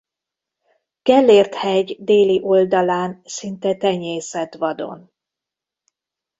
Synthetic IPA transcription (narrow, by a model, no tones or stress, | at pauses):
kɛlːeːrt̪hɛɟd̪eːliʔo̞ld̪ɒlaːnsint̪ɛt̪ɛɲeːsɛt̪ʋɒd̪o̞̰n